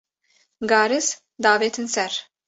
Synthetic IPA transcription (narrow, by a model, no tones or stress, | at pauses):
ɡɑːɾɨs | d̪ɑːveːt̪ʰɨnsɛɾ